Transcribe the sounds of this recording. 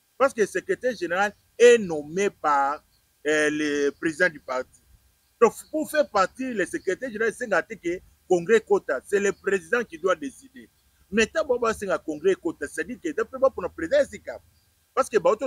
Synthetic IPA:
paʁskesekʁetɛʁʒeneʁal | enomepaʁ | lepʁezidãdypaʁti | dɔ̃pufɛʁpaʁtilesekʁetɛʁʒeeaeseŋɡatɛke | kɔ̃ŋɡʁɛkotasɛlepʁezidãkidwadeside | mɛtãbaobaseŋɡakɔ̃ŋɡʁɛekotase̥tadiketapebaponapʁeziãesika | paskebajoto

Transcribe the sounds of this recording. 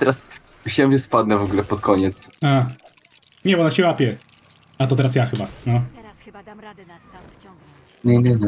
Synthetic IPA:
t̪ɛɾas | ɕɛmvʲɛspad̪nɛvɔɡulɛpɔt̪kʰɔɲɛt̪sa | ɲɛbɔɔnaɕɛwapʲjɛ | at̪̬ɔt̪ɛɾasjaxɘbanɔ | ɲɛɲɛɲɛ

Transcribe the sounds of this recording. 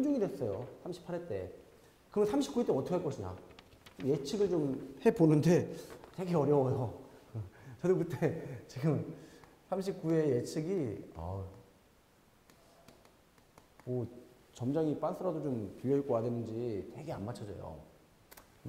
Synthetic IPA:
nd͡ʑuŋidwes͈ʌjosʰamɕʰi̥pʰaɾet͈e̞ | kɯmʌnsʰamɕʰip̚k͈uet͈eʌtʰʌkʰeɭk͈ʌɕʰiɲa̰ | omje̞t͡ɕʰiɡɯɭt͡ɕomhe̞bonɯnde̞te̞ɡe̞ʌɾjʌwʌjo | t͡ɕʌdokɯt͈et͡ɕiɡɯm | sʰamɕ̬ʰip̚k͈ue̞jet͡ɕʰiɡiʌ̰ | mʌ | t͡ɕʌmd͡ʑaŋip͈ans͈ʰɯɾadot͡ɕompijʌik͈oadwenɯnd͡ʑite̞ɡe̞anmat͡ɕʰʌd͡ʑʌ̰jo̰

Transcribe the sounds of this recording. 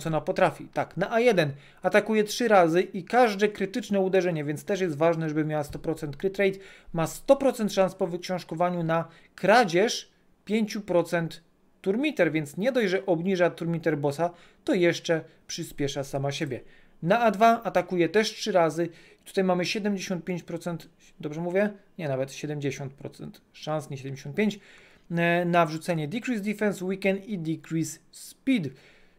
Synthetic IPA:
sɔnapɔt̪ɾafʲit̪aknaʔajɛd̪ɛn | at̪akujɛtʂɘɾazɘʔikaʐd̪ɛkɾɘt̪ɘt͡ʂnɛud̪ɛʐɛɲɛvʲjɛnt̪st̪ɛʂjɛst̪vaʐnɛʐɛbɘmʲjawast̪ɔpɾɔt̪sɛnt̪̚kɾɘt̪ɾɛjt̪mast̪ɔpɾɔt̪sɛnt̪ʂanspɔvɘkɕɔ̃w̃ʂkɔvaɲuna | kɾad͡ʑɛʂ | pʲjeɲt͡ɕupɾɔt̪sɛnt̪ː | uɾmʲit̪ɛɾvʲjɛnt̪sɲɛd̪ɔjʐɛʔɔbɲiʐat̪uɾmʲit̪ɛɾbɔsa | t̪ɔjɛʂt͡ʂɛpʂɘspʲjɛʂasamaɕebʲjɛ | naad̪vaat̪akujɛt̪ɛʂtʂɘɾazɘ | it̪u̥t̪ajmamɘɕɛd̪ɛmʲd͡ʑeɕɔ̃nt̪̚pʲjẽɲt͡ɕpɾɔt̪sɛnt̪ | d̪ɔbʐɛmuvʲjɛɲɛnavɛt̪ɕɛd̪ɛmʲd͡ʑeɕɔnt̪̚pɾɔ̰t̪sɛ̰nt̪ʂansɲɛɕɛd̪ɛmd͡ʑeɕɔ̃nt̚pʲeɲt͡ɕ | navʐut̪sɛɲɛd̪ʲikɾizd̪ʲifɛnswikɛnt̪id̪ʲikɾispʲid̪

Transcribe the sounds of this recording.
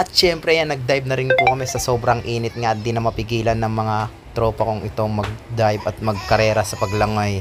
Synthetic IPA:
ɐt̪̚t͡ʃɛmpɾɛjanːɐɡ̚d̪ajb̚nɐɾɪnpʊkɐmɛsɐso̞ːbɾɐŋʔiːnɪt̪̚ŋad̪ɪnːɐmɐpɪɡiːlɐnːɐŋmɐŋa | t̪ɾo̞ːpɐkoŋʔɪt̪o̞ŋmɐɡ̚d̪ajbɐt̪̚mɐɡ̚kɐɾɛːɾɐsɐpɐɡlɐŋoj

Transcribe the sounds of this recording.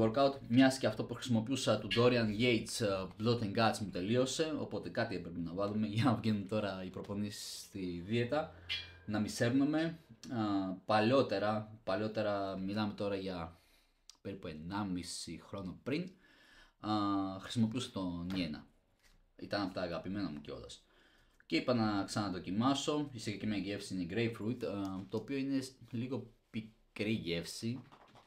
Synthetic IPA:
oɾkɐut̪mɲɐsceɐft̪o̞puxɾisimo̞piusɐt̪ud̪o̞ɾiɐnʝe̞jt͡sblot̪eŋɡɐt͡smut̪e̞lio̞se̞o̞̰po̞t̪e̞kɐt̪iepɾepinɐvɐlume̞ʝɐnɐvʝenunt̪o̞ɾɐipɾo̞po̞nisi̥st̪iðie̞t̪ɐ | nɐmise̞vnume̞ | pɐlo̞t̪e̞ɾɐpɐlo̞t̪e̞ɾɐmilɐme̞t̪o̞ɾɐʝɐ | pe̞ɾipue̞nɐmisixɾo̞nopɾin | xɾi̥simo̞piuset̪o̞nienɐ̰ | it̪ɐnɐpot̪ɐːɣɐpime̞nɐmuceo̞̰lɐs | ce̞ipɐnɐksɐnɐnɐðo̞cimɐso̞isiɣɐcemɐʝe̞fsiineiɡɾe̞jfɾut̪t̪o̞ːpio̞ine̞liɣo̞pikɾiʝe̞fsi

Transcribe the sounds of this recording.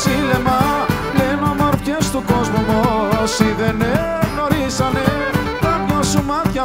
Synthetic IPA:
silemɐ | lenomoɾpçest̪uko̞zmumosiðene | ɣno̞ɾisɐne | t̪ɐmɲosumɐt̪çɐ

